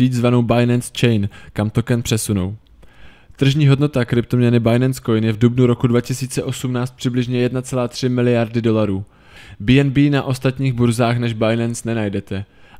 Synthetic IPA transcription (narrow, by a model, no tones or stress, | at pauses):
iːt̪zvano̞wbajnɛnst͡ʃɛjnkamt̪o̞kɛnpr̝̥ɛsuno̰w | t̪r̩ʒɲiːɦo̞dno̞t̪akɾɪp̚t̪omɲɛnɪbajnɛnsko̞jnjɛvdubnuɾo̞kudvacɪsiːt͡sɛʔo̞sumnaːt͡st̪̚pr̥ɪblɪʒɲɛjɛdnat͡sɛlaːt̪r̝̥ɪmɪlɪjaɾdɪdo̞laɾuː | biːɛnbiːnaʔo̞st̪at̪ɲiːɣbuɾzaːxnɛʒbajnɛnsnɛnajdɛt̪ɛ